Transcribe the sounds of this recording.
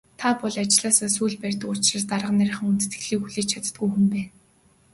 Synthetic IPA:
t̪ʰapɔɮat͡ɕɪɮaːsaːsuːɮpærʲt̪ɘ̆kʊr̥t͡ɕrə̆st̪arʁə̆nːæɾ̆ʲχɘ̆ŋunt̪ɘ̥̆t̪ɡɘ̥̆ɮiːkxuɮiːt͡ɕʰat̪̆t̪̚ɡujxumpæːn

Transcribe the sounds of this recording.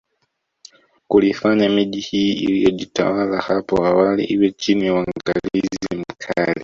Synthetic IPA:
kulifaɲamiʄihiːḭlijɔʄita̰walahapɔawalḭʔiwɛt͡ʃinijawaŋŋɡalizim̩kʰali

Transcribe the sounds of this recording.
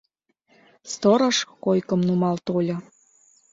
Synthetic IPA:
st̪ɤɾɤ̆ʃkojkəmnumɑlt̪olʲɤ̆

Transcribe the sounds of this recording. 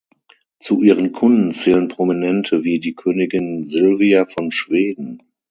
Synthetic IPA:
t͡suʔiːʁ̞ənkʰʊndn̩t͡sɛːlənpʁ̥ominɛntʰəviːdiːkʰøːnɪɡɪnzɪlviafɔnʃv̥eːdn̩

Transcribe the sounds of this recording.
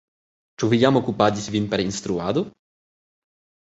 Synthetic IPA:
t͡ʃuvɨjamɔkupatʲisʲvʲinpɛɾinst̪ɾuad̪u

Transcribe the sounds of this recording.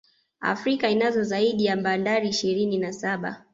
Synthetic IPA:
a̰fɾikainazɔzaiɗijambandaɾiːʃiɾininasaɓa̰

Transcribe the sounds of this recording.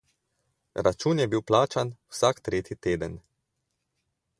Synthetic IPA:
ɾat͡ʃuːnjɛbiwplaːt͡ʃanwsaːkt̪ɾeːt̪jit̪eːd̪ən

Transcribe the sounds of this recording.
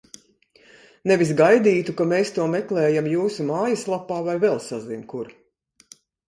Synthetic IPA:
nevis̬ɡajd̪iːt̪ukameːst̪uɔmɛklˠɛːjamjuːsumaːjaslˠapːaːvajvɛlˠsazinʲkuɾ

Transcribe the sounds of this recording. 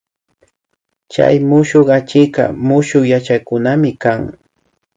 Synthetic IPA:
t͡ʃa̰jmʊʃoχat͡ʃɪkɑ̰mʊʃojat͡ʃakʊnamɪkaŋ

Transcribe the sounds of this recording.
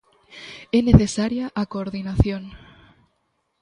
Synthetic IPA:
ɛneθesaɾjaʔakoːɾðinaθjoŋ

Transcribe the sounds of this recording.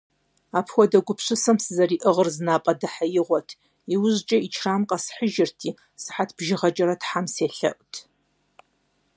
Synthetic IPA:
aːpʰxʷɔdɐɡʷʊpɕʷɨsɐmsɨzɐɾiːʔɨʁərzɨnaːpʼɐdɨħajɪʁʷɔtʰ | iwʊʑt͡ʃʼɐit͡ʃʰraːmqʼɐsħəʒɪrtʰiː | sɨ̥ħatʰb̥ʒɪʁɐt͡ʃʼɐɾɐtħamseːɬɐ̰ʔʷʼtʰ

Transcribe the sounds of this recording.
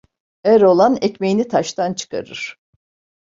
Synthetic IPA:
æɾo̞lˠanɛcmejinit̪ʰaʃt̪ʰant͡ʃʰɯ̥kʰa̰ɾɯɾ̥

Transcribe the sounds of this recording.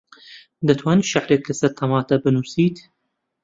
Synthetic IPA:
d̪ɐt̪ʰwaːniʃaħɾekːɨsɐɾt̪ʰɐmɑːt̪ɐbɨnuːsiːt̪

